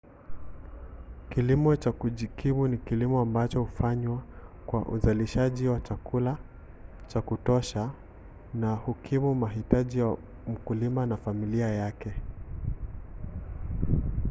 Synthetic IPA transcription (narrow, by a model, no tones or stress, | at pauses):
kilimɔt͡ʃakuʄikʰimunikilimɔambat͡ʃɔhufaɲwakwa̰ʔṵzaliʃaʄiwat͡ʃakula | t͡ʃakutɔʃa | nahukʰimumaɦitaʄija | m̩kulimanafamiliajakɛ